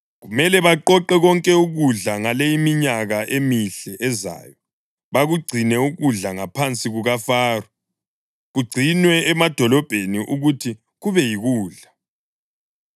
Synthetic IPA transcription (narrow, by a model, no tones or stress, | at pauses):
ɣumɛlɛβaǃɔǃɛɣɔŋkʼɛuɣuɮaŋalejimiɲaɣaʔemiɬɛʔɛza̰ːjɔ | βaɣuɡ͡ǀʱinɛuɣuɮaŋapʰant͡sʼiɣuɣafaːru | ɣuɡ͡ǀʱinwɛːmad̥ʱɔlɔb̥ʱeniʔuɣutʰi | ɣuβɛjiɣuːɮa